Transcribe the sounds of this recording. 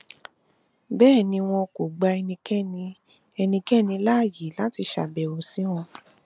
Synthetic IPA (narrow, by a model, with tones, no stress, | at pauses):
bɛː˦˨nĩ˧w̃ɔ̃˧ko˨ɡ͡ba˧ɛ˧nĩ˧kɛ˦nĩ˧ | ɛ˧nĩ˧kɛ˦˨nĩ˧la˦˨ji˨˦la˦ti˧ʃa̰˨bɛ˨wo˨si˨˦w̃ɔ̃˧